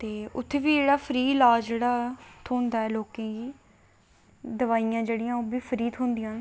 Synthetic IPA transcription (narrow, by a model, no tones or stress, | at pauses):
t̪eːʊt̪ʰːeːʋiːd͡ʒeːɽaːpʰəɾiːlaːd͡ʒeːɽaːt̪ʰoːnd̪aːɛːloːkẽːɡiː | d̪əʋaːijãːd͡ʒeːɽɪjãːoːbiːfʰəɾiːt̪ʰɦõːnd̪ɪjãː